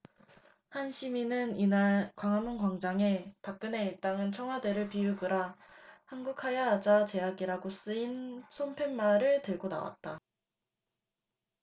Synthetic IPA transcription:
hanɕʰiminɯninaɭkwaŋɦamuŋkwaŋd͡ʑaŋe̞pak̚k͈ɯne̞it͈aŋɯnt͡ɕʰʌŋɦwade̞ɾɯɭpiuɡɯɾahanɡukʰajaɦːd͡ʑat͡ɕe̞aɡiɾaɡos͈ɯinsʰompʰe̞nmaɾɯɭtɯɭɡona̰wa̰t̚t͈a

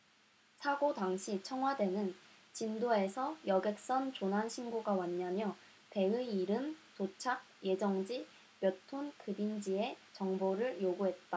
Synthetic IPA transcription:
sʰaɡodaŋɕʰit͡ɕʰʌŋɦwadwe̞nɯnt͡ɕimdoe̞sʰʌjʌɡe̞k̚s͈ʌnt͡ɕonɦanɕʰinɡoɡawaɲːamjʌ | pe̞ɯiɾɯmtot͡ɕʰaɡ̚je̞d͡ʑʌŋd͡ʑi | pjʌtʰonkɯbind͡ʑie̞t͡ɕʌŋboɾɯɭjoɡuɦe̞t̚t͈a

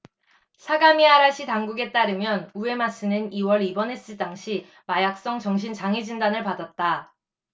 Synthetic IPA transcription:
sʰaɡamiaɾaɕ͈ʰitaŋɡuɡe̞t͈aɾɯmjʌnue̞mas͈ʰɯnɯniwʌɾibʌne̞s͈ɯdaŋɕʰi | majak̚s͈ʌŋt͡ɕʌŋɕ̬ʰint͡ɕaŋid͡ʑindanɯɭpadat̚t͈a

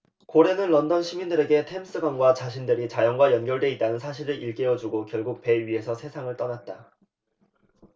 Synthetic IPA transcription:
koɾe̞nɯnlʌndʌnɕʰimindɯɾe̞ɡe̞tʰems͈ɯɡwanɡwat͡ɕaɕʰindɯɾit͡ɕajʌŋɡwajʌnɡjʌɭdwe̞it̚t͈anɯnsʰaɕʰiɾɯɾiɭk͈e̞jʌd͡ʑuɡokjʌɭɡuk̚pe̞ɥiɦe̞sʰʌsʰe̞sʰaŋɯɭt͈ʌnat̚t͈a

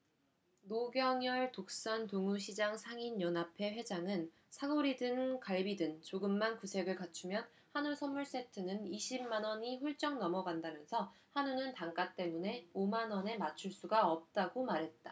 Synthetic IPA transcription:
noɡjʌŋjʌɭtok̚s͈antoŋuɕʰid͡ʑaŋsʰaŋinjʌnapʰe̞ɸwe̞d͡ʑaŋɯn | sʰaɡoɾidɯŋkaɭbidɯŋt͡ɕoɡɯmːankusʰe̞ɡɯɭkat͡ɕʰumjʌn | hanusʰʌmːuɭs͈e̞tʰɯnɯniɕʰimmanʌɲiɸuɭt͡ɕ͈ʌŋnʌmʌɡandamjʌnsʰʌhanunɯntaŋk͈at͈e̞mune̞omanʌne̞mat͡ɕʰuɭs͈uɡaʌp̚t͈aɡomaɾɦe̞t̚t͈a

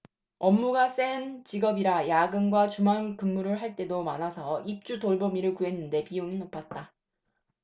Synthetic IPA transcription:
ʌmːuɡas͈ent͡ɕiɡʌbiɾajaɡɯnɡwat͡ɕumankɯmːuɾɯɭɦaɭt͈e̞domanasʰʌip̚t͡ɕ͈utoɭbomiɾɯɭkuɦe̞nːɯnde̞piuŋinopʰat̚t͈a

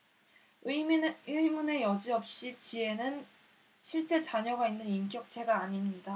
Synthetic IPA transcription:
ɯmune̞jʌd͡ʑiʌp̚ɕ͈it͡ɕie̞nɯn | ɕʰiɭt͡ɕ͈e̞t͡ɕaɲʌɡainːɯnimk̬͈jʌk̚t͡ɕʰe̞ɡaːɲimɲida

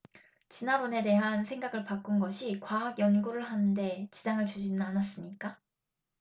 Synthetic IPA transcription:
t͡ɕinabone̞de̞ɦansʰe̞ŋɡaɡɯɭpak͈unɡʌɕʰikwaɦaɡjʌnɡuɾɯɭɦanɯnde̞t͡ɕid͡ʑaŋɯɭt͡ɕud͡ʑinɯnanas͈ɯmɲik͈a

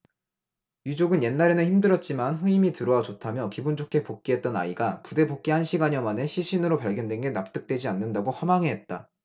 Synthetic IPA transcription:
jud͡ʑoɡɯnje̞nːaɾenɯnçimdɯɾʌt̚t͡ɕ͈imanɸɯimitɯɾʌwad͡ʑotʰamjʌkibund͡ʑʰokʰe̞pok̚k͈iɦe̞t̚t͈ʌna̰iɡapude̞bok̚k͈iɦanɕʰiɡaɲʌmane̞ɕʰiɕʰinɯɾopaɭɡjʌndwe̞nɡe̞nap̚t͈ɯk̚t͈we̞d͡ʑianːɯndaɡohʌmaŋeɦe̞t̚t͈a̰

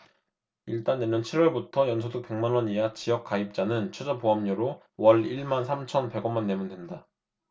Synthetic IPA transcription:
iɭt͈anːeɲʌnt͡ɕʰiɾwʌɭbutʰʌjʌnsʰodɯk̚p͈e̞ŋmanwʌɲijat͡ɕijʌk͈aip̚t͡ɕ͈anɯnt͡ɕʰed͡ʑʌpoɦamɲʌɾo | wʌɭiɭmansʰamt͡ɕʰʌnpe̞ɡʌnmanːe̞mundwenda

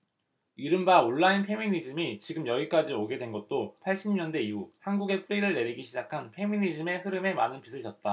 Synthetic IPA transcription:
iɾɯmbaoɭːainpʰe̞minid͡ʑimit͡ɕiɡɯmjʌɡik͈ad͡ʑioɡe̞dwe̞nɡʌt̚t͈opʰaɭɕ͈ʰimɲʌnde̞iuhanɡuɡe̞p͈uɾiɾɯɭne̞ɾiɡiɕʰid͡ʑakʰanpʰe̞minid͡ʑɯme̞ɸɯɾɯme̞manɯnpisʰɯɭt͡ɕʰʌt̚t͈a

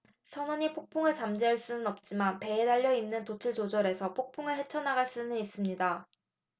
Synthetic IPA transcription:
sʰʌnʌɲipʰok̚pʰoŋɯɭt͡ɕamd͡ʑeɯɭs͈unɯnʌp̚t͡ɕ͈imanpe̞edaʎːʌinːɯntot͡ɕʰɯɭd͡ʑod͡ʑʌɾe̞sʰʌpʰok̚pʰoŋɯɭɦe̞t͡ɕʰʌnaɡaɭs͈unɯnis͈ɯmɲida

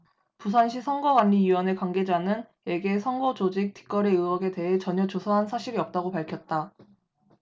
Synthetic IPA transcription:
pus̬ʰanɕʰisʰʌŋɡʌkwanːiiwʌne̞kwaŋɡe̞d͡ʑanɯn | e̞ɡe̞sʰʌŋɡʌd͡ʑod͡ʑik̚tʰi̥k͈ʌɾe̞ɯʌɡe̞te̞ɦe̞t͡ɕʌɲʌt͡ɕosʰʌɦansʰaɕʰiɾiʌp̚t͈aɡopaɭkʰjʌt̚t͈a

